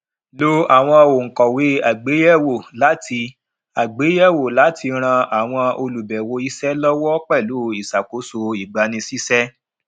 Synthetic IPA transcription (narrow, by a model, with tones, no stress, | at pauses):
lo˦a˨w̃ɔ̃˧o˨ŋ̩˨kɔ˨we˨˦a˨ɡ͡be˨˦jɛ˦wo˨la˨˦ti˧ | a˨ɡ͡be˨˦jɛ˦wo˨la˨˦tʰi˧ɾ̃ã˧a˨w̃ɔ̃˧o˧lu˨bɛ˨wo˧i˦sɛ˦lɔ˦wɔ˦k͡pɛ˦˨lu˨˦i˨sa˨ko˨˦so˧i˨ɡ͡ba˨˧nĩ˧si˦sɛ˦